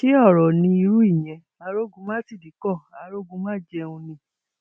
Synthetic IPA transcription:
ke˦ɔ˦˨ɾɔ˨nĩ˧i˧ɾu˦i˦˨j̃ɛ̃˨˧ | a˧˦ɾo˦ɡũ˧˦mãː˦ti˦˨di˨˦kɔ˦˨a˨˧˦ɾo˦ɡũ˧˦mãː˦d͡ʒɛ˧ũ˧nĩ˧˦

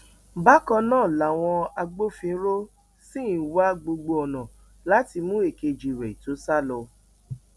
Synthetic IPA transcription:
ba˦kɔ̃˧nãː˦˨la˨w̃ɔ̃˧a˧ɡ͡bo˦fĩ˧˦ɾo˦ | sĩ˦˨˦wa˦ɡ͡bo˧ɡ͡bo˧ɔ˨nã˨ | la˨˦ti˧mũ˦e˦˨ke˧d͡ʒi˨wɛ˨i˨to˨˦sa˦˨lɔ˧

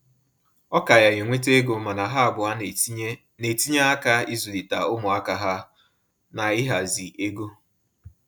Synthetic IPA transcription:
ɔ˦ka˨ja˨ɣe˨ŋʷe˦te˦e˦ɡo˨ma˨na˨ɦa˦a˨bʊ˨a˦ | ne˨ti˦ɲa˦a˦ka˦i˦zu˨di˨ta˨ʊ˦mʊ˨a˦ka˨ɦa˦ | na˨ɪ˦ɦa˨zi˨ʔe˦ɡo˦

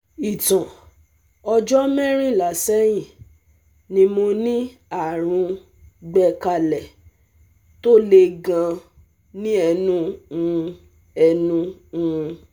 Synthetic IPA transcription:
i˨tã˨ | ɔ˧d͡ʒɔ˦mɛ̃˦ɾ̃ĩ˦˨la˨sɛ˦j̃ĩ˦˨ | nĩ˧mo˧nĩ˦ | a˦˨ɾ̃ũ˧ | ɡ͡bɛ˧ka˧lɛ˨ | to˦le˧ɡã˧ | nĩ˦ɛ˧nũ˦ũ˧ | ɛ˧nũ˦ũ˧

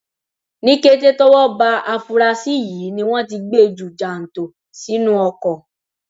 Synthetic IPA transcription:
nĩ˦ke˦te˦tɔ˦wɔ˦ba˧ʔa˧fu˧ɾa˧si˦˨jiː˨˦nĩ˧w̃ɔ̃˦t̬i˧ɡ͡be˦e˧d͡ʒu˨d͡ʒa˨n̩˨to˨ | si˨˦nũ˦ɔ˧kɔ˨

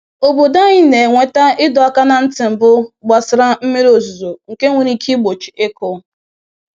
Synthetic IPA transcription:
o˨bo˨da˦ɲɪ˦ne˨ŋʷe˨ta˦ɪ˦dʊ˨a˦ka˦na˨n̩˦tɪ˨m̩˨bʊ˦ɡ͡ba˨sɪ˨ɾa˦m̩˦mi˦ɾo˨zu˨zo˨ŋ̩˨ke˦ŋʷe˨ɾi˦kʰi˦ɡ͡bo˨t͡ʃi̥˨e˦kʊ˦

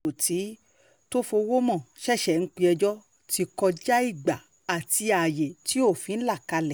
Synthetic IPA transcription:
o˨ti˨˦ | to˦fo˧wo˦mɔ̃˦˨ʃɛ˦˨ʃɛ˨ŋ̩˦k͡pi˧ɛ˧d͡ʒɔ˦ | ti˧kɔ˧d͡ʒa˦i˦˨ɡ͡ba˨ | a˨ti˧a˨je˨ti˦o˦˨fĩ˨˧n̩˦la˦˨ka˧lɛ˨

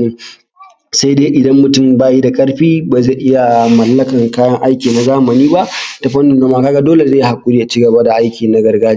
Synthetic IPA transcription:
iː˦ | sa˦jdeː˦ʔɪ˨dɐ˦mːʊ˨tʊ˦˨mbaː˦ji˦da˨kʼɐ˦rɸiː˦ba˨ze˦˨ʔɪ˦ja˨mɐ˨lːɐ˦kɐ˨ŋkaː˦jɐ˦ŋʔa˦jkʲiː˨na˨zaː˦mɐ˨niː˦ba˦ʔta˨ɸɐ˦nːʊ˨nɡɐ˦maː˦kaː˦ɡa˦doː˦le˨zeː˦˨jha˨kʷʼʊ˦ɽiː˦ʔa˨t͡ʃi˦ɡɐ˨ba˦da˨ʔa˦jkʲiː˨na˨˦ɡɐ˨rɡaː˦d͡ʒ

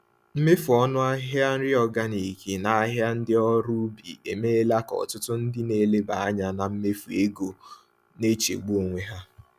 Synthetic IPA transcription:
m̩˦me˦fu˨ɔ˦nʊ˦a˦ɦja˦n̩˦ɾɪ˦ɔ˦ɡa˦ni˨ki˨na˨a˦ɦja˦n̩˦dɪ˦ɔ˦ɾu˦bḭ˨e˨me˦la˦kɔ̰˨tʊ˦tʊ˦n̩˦dɪ˦ne˨le˦ba˨a˦ɲa˨na˨m̩˦me˦fu˨e˦ɡo˨ | ne˦t͡ʃḛ˨ɡ͡bo˦˨ŋʷe˦ɦa˦

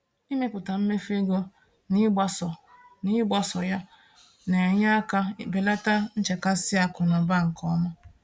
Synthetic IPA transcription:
i˦me˦kʊ˨ta˨m̩˦me˦fe˦ɡo˦ | ni˦a˦sɔ˨ | ni˦ɡ͡ba˦sɔ˨ja˦ | ne˨ɲa˦ka˦be˨la˦ta˦n̩˦t͡ʃe˨ka˦si˦a˨kʊ˨na˨ba˦˨ŋ̩˨kʰɔ˦ma˦

